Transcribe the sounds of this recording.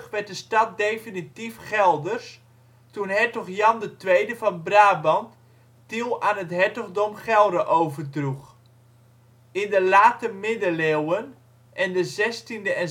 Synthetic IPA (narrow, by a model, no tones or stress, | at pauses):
χʋɛt̚dəstɑt̚dejfinitifχɛlˠdərs | tunɦɛtɔχjɑmdətʋejdəvɑnbraːbɑnt | tilˠaːnɦətɦɛtɔɣdɔmχɛlˠdəʔowvərdruχ | ɪndəlaːtəmɪdəlewən | ʔɛndəzɛstindəɛn